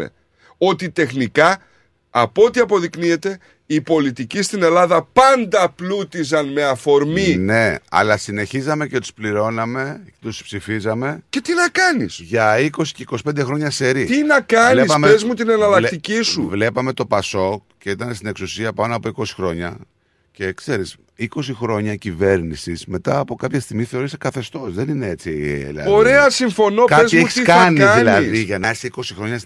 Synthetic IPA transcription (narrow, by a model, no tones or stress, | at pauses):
ḛ | o̞t̪it̪e̞xnikɐ | ɐpo̞t̪iɐpo̞ðiknie̞t̪e̞ | ipo̞lit̪icist̪ine̞lɐðɐpɐnd̪ɐplut̪izɐnme̞ɐfo̞ɾmine̞ɐ̰lɐsine̞çizɐme̞ce̞t̪u̥spliɾo̞nɐme̞et̪uspsifizɐme̞ce̞t̪inɐkɐnḭsʝɐiko̞si̥ceiko̞si̥pend̪exɾo̞ɲɐse̞ɾit̪inɐkɐnleispɐmeezmut̪inenɐlɐkt̪icisuvle̞pɐme̞t̪o̞pɐso̞kce̞it̪ɐnest̪ine̞ksusiɐpɐno̞ɐpoiko̞si̥xɾo̞ɲɐ | ce̞kse̞ɾis | iko̞sixɾo̞ɲɐcive̞ɾnisisme̞t̪ɐːpo̞kɐpçɐst̪iɣmiθe̞o̞ɾisekɐθe̞st̪o̞sðe̞ninee̞t͡silɐ̰oɾe̞ɐsiɱfo̞nokɐezieçi̥sskɐniɐðilɐðiʝɐnɐesiko̞sixɾo̞ɲɐs